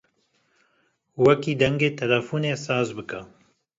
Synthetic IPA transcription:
wɐkiːd̪ɛŋɡeːt̪ʰɛlɛfuːneːsaːzbɨkɐ

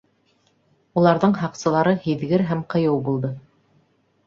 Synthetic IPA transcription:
ulˠɑɾðɤɴhɑqsɤ̆lˠɑɾɤhiðɡɘɾɦæmqɤ̆jɤwbulˠd̪ɤ

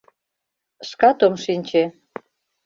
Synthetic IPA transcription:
ʃkɑt̪omʃinʲt͡ɕe

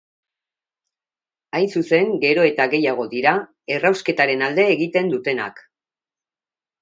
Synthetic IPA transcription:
ajnsuse̞ŋɡe̞ɾo̞e̞t̪aɣe̞jaɣ̞o̞ðiɾa | e̞rawske̞t̪aɾe̞nald̪e̞ːɣit̪e̞nd̪ut̪e̞na̰k

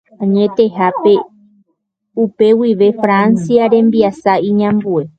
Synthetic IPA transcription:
ãɲẽ̞t̪e̞ɦape̞ | upe̞wiʋe̞fɾãnsiaɾẽ̞mbiasaĩɲãmbue̞

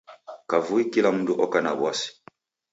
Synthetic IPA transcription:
kavuikilamũduʔɔkana̰bwasi̥

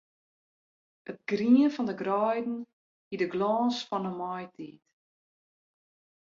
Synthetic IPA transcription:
ət̚ɡriənfɑndəɡrœjdn̩ | hidəɡlɑːnsfɑnəmɔjtʰḭt

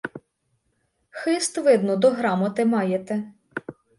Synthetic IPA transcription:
xɪst̪ʋɪd̪nɔd̪ɔɦɾɑmɔt̪ɪmɑjet̪ɛ

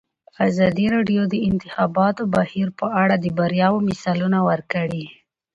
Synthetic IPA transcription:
azɑd̪iɾɑɖjod̪əɪnt̪ɪxɑbɑt̪obahiɾpəʔaɽad̪əbaɾjɑwomɪsɑlunawəɾkəɽi

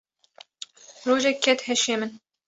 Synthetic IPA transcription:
ɾoːʒɛkʰːɛt̪hɛʃeːmɨn

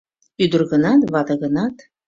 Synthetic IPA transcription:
yd̪ə̆rɣə̆nɑt̪βɑd̪əɣə̆nɑt̪

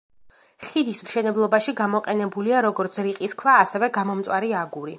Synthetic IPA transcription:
χid̪ismʃɛnɛblˠɔbaʃiɡamɔqʼɛnɛbuliaɾɔɡɔɾt̪sʰɾiqʼiskʰvaːsɛvɛɡamɔmt̪sʼwaɾiaɡuɾi

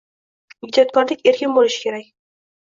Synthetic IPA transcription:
jɪd͡ʒɒt̪̚kʰɒɾlɪkʲe̞ɾkʲɪnbolɪʃɪ̥kʲʰe̞ɾakʲ

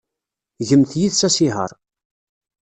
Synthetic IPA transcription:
ʝəmθjiðsæsiɦə̰ɾˤ

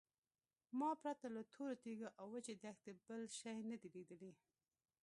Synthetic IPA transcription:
mɑpɾat̪alat̪ʰoɾot̪eɡaʔawwət͡ʃed̪axt̪ebəlʃajnad̪ilid̪əli

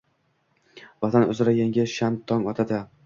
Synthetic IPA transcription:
vɒt̪ʰanɵzɪɾajaŋɡʲɪʃant̪ʰːɒŋɒt̪ʰad̪ɪ

